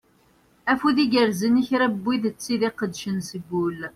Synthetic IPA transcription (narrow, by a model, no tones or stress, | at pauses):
æfuðiɡəɾzəniçɾæbːiðt͡sːiðiqəd̪ʃənsəɡːul